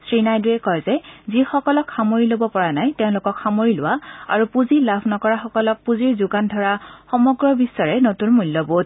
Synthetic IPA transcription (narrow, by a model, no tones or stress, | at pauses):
sɹinajduɛkɔjzɛzixɔkɔlɔkhamoɹilobɔpɔɹanajtɛʊ̃lʊkɔkxamoɹilʊwaa̰ɹupuzilabʰʱnɔkɔɹaxɔkɔlɔk̚puziɹzʊɡandʱɔɹaxɔmɔɡɹɔbisːɔɹɛnotunmulːɔbot